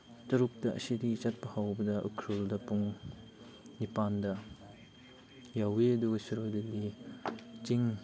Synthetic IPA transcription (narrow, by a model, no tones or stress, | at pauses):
tɐɾuk̚tɐʔɐ̰sidit͡ʃɐt̚pɐhawbɐdɐʔṵkʰɾuldɐpuŋ | nipandɐ | jawedusiɾojdili | t͡ʃiŋ